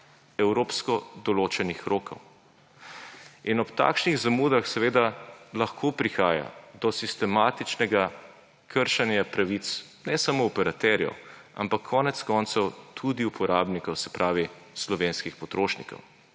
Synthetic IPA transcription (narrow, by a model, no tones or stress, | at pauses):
ɛwɾoːpskɔd̪ɔloːt͡ʃɛnixɾoːkɔ̰w | inɔpt̪a̰ːkʃniɣzamuːd̪axsɛʋeːd̪alɐxkʰoːpɾixaːja̰d̪ɔsist̪ɛmaːt̪it͡ʃnɛɡa | kʰəɾʃanjapɾaʋit̪s | nɛsamoɔpɛɾat̪ɛɾjɛ̰wa̰mpakʰːɔːnɛt̪skɔːnt̪sɔwt̪ʰud̪iupʰɔɾaːbnikɔwsɛ̥pɾaːʋislɔʋenskixpɔt̪ɾoːʃnḭkɔ̰w